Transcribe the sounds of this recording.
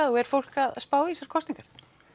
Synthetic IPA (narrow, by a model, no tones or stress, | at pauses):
aðɔɛɾ̥fowl̥kaðspaːwisaɾ̥kʰɔst̪iŋkaɾ̥